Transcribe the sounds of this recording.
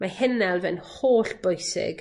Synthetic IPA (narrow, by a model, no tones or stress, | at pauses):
mahɪnɛlˠvɛnhoːɬb̥ʊjsɪ̰ɡ̥